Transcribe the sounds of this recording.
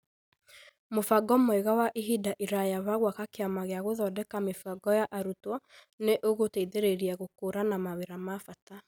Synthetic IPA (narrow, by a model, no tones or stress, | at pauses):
mofaɡɔmɔiɣawaʔiɦidaʔiɾajaβaɣwakakeamaɣeaɣoðɔdɛkamefaɡɔjaʔaɾutwɔ | neʔoɣoteiðeɾeɾiaɣokoɾanamaweɾamafata